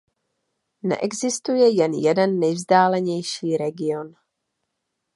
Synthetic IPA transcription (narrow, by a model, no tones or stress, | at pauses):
nɛ̰ʔɛɡzɪst̪ujɛjɛnjɛdɛnːɛjvzdaːlɛɲɛjʃiːɾɛɡɪon